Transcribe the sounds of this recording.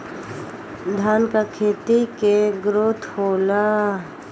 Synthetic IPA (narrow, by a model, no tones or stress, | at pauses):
d̪ʱaːnkakʰeːt̪ikeɡɾʊt̪ʰhoːla